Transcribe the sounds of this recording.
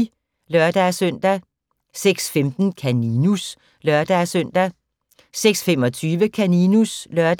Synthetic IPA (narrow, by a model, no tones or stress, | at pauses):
lœɐd̥æsøn̰d̥æ | seɡ̥sfemd̥n̩kʰæninus | lœɐd̥æsøn̰d̥æ | seɡ̥sfemɒ̽t͡sʰyːʋəkʰæninuslœɐd̥